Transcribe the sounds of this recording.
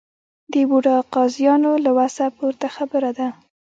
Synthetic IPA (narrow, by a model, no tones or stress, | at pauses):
d̪əbuɖɑqɑzjɑnolawasapoɾt̪axabəɾad̪a